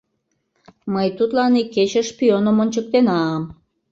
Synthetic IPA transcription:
məjt̪ut̪lɑniket͡ɕəʃpionəmonʲt͡ɕək̚t̪enɑːm

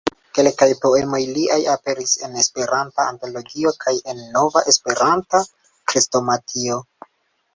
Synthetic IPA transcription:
ke̞lkajpo̞e̞mo̞jliajape̞ɾise̞ne̞spe̞ɾantaanto̞lo̞ɡio̞kʰaje̞nːo̞vaʔe̞spe̞ɾanta | kɾisto̞matʰio̞

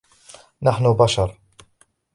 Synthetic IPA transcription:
naħnʊbaʃɑɾˤ

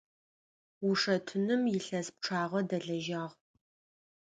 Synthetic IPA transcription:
wʊʂɐtʰʊnɨmjɪɬɐsp̚ʈ͡ʂʰaːʁɐdɐɮɐʒaːʁ

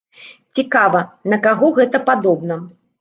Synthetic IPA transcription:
t͡sʲikavɐnɐkaɣɔɣɛt̪ɐpad̪ɔbnɐ

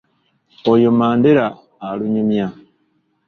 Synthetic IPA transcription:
ojomaːndeɾaː | luɲumja

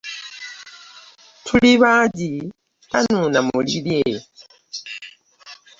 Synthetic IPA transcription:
tʰuliβaːɟi | βanuːnamulilje

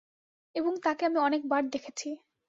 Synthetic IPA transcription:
eboŋt̪akeamiɔnek̚baɽd̪ekʰet͡ɕʰi

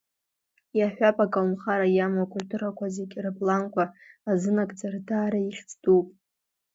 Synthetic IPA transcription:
jaħʷᶣapʼakʼalmχaɾajamakʷʼʊlʲtʰʼuɾakʷʰazekʲrɨpʼlankʷʰaːzɨnakʼd͡zardaːɾaiχʲt͡sʼtʼupʼ

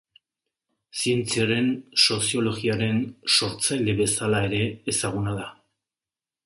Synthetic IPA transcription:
sie̞nt͡siaɾe̞nso̞sio̞lo̞ɣiaɾe̞nso̞ɾt͡sajle̞βe̞salae̞ɾe̞ːsaɣ̞unaða

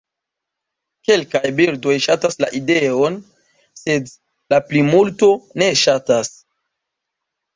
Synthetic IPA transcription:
ke̞lkajbiɾdo̞jʃatasla̰ʔide̞on | se̞d | laplimulto̞ne̞ʃatas

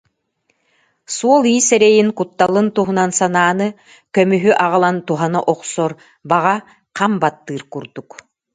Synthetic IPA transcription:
suɔlˠiːsɛɾɛjiŋkut̪ːalˠɯnt̪uɦunansanaːnɯ | kœmyɦyʔaʁɯlˠant̪uɦanaʔɔqsɔɾ | baʁa | qambat̪ːɯːɾkuɾd̪uk

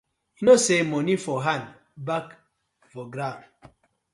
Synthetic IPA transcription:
nosemonifoɦan | bak | voɡɾaŋ

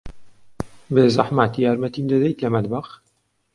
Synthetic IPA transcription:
beːzaħmat̪jaːɾmɐt̪iːmd̪ɐd̪ɛjt̪lɐmɐd̪bax

